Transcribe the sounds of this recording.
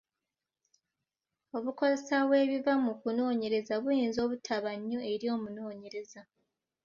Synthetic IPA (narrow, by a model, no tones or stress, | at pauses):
o̞βuko̞ze̞saβwe̞ːβivamukuno̞ːɲe̞ɾe̞zaβujiːnzo̞ːβutʰaβaɲːoe̞ɾio̞ːmuno̞ːɲe̞ɾe̞za